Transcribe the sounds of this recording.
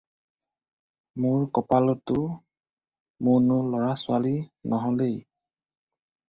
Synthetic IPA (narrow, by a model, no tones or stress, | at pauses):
mʊɹkɔpalɔtʊ | mʊnʊlɔɹasʊalinʔɔɦɔlej